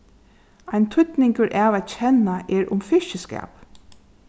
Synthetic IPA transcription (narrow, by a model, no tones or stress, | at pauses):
aɪnt̪ʰʏt̪nɪŋkəɹʔaːʋæt̪̚t͡ɕʰɛnaʔɛɹʔʊmfɪʃəskæ̰ːp